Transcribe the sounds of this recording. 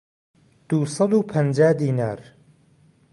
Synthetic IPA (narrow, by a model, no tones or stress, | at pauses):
d̪̥usɑd̪upʰɐnd͡ʒaːd̪iːna̰ːɾ